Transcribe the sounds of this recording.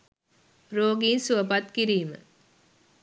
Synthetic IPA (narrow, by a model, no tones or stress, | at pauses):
ɾoːɡiːnsuəpat̪kiɾiːmə̰